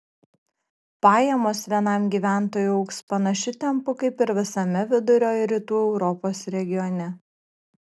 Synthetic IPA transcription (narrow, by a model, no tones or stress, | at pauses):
pɑːjɛmoːsʋʲiɛnɐˑmɡʲiːʋʲæˑnt̪oːjuɐʊkspɐnɐʃʲɪt̪ʲɛmpʊkɐɪpɪɾʋʲɪsɐmʲɛʋʲɪd̪ʊɾʲoːjɾʲiːt̪uːɛʊɾɔpoːsɾʲɛɡʲɪjɔnʲɛ